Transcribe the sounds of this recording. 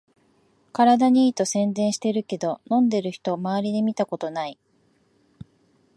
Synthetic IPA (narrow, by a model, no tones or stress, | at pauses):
kaɾad̪aɲ̟iiːt̪o̞sẽ̞nd̪ẽ̞ɰ̃ɕi̥t̪e̞ɾɯ̟ke̞d̪o̞nõ̞nd̪e̞ɾɯ̟çi̥t̪o̞maaɾʲid̪emʲit̪ako̞t̪o̞nai